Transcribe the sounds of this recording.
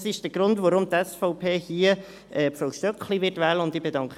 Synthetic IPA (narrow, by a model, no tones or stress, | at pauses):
sɪʃd̥əɡ̥ɾʊndʋɔɾʊmt̪ɛsfɔʊpʰeːhiːə | ʔɛːfɔʊʃtœkχliʋɪtʋɛːləʊnd̪ɪb̥edɑŋk